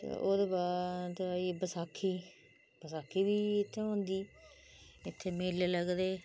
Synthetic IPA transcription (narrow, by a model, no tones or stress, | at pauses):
t̪ḛːʔo̰ːd̪eːbaːd̪ibəsaːkʰːiː | bəsaːkʰːiːbiːɪt̪ʰːeːɦõːnd̪iː | ɪt̪ʰːeːmeːleləɡd̪eː